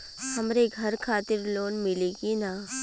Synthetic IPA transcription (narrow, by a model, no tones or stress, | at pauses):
hɐmɾeɡʱɐɾkʰaːt̪ɪɾloːnmɪleːɡina